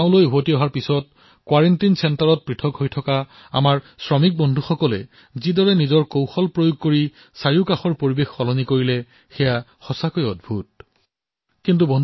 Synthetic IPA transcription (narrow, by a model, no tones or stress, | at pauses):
ʊ̃lojɦotiɔɦaɹpisɔt̚ | kwaɹentinsɛntaɹɔt̚pɹitʰɔkhojtʰɔka | a̰maɹ | sɹɔmik̚bɔndʱuxɔkɔlɛ̰ | zidɔɹɛnizɔɹkowxɔlpɹojoɡ̚koɹi | saɹiʊkaxɔɹpoɹibexːɔlɔnikoɹilɛ | xɛjaxɔsakojɔdbʱut̚ | kint̬ubɔn